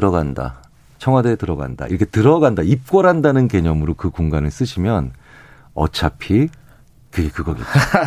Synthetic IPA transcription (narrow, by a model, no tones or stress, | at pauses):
ɾʌɡanda̰ | t͡ɕʰʌŋɦwadetɯɾʌɡa̰nda̰ʔḭɾʌkʰe̞tɯɾʌɡandaip̚k͈wʌɾandanɯnke̞ɲʌmɯɾokɯkoŋɡanɯɭs͈ɯɕʰimjʌn | ʌ̰t͡ɕʰapʰi | kɯɡe̞kɯɡʌɡḛt̚t͈a